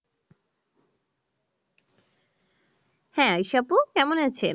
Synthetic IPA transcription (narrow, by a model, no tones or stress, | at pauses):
hɛ̃ajʃapukɛmonat͡ɕʰe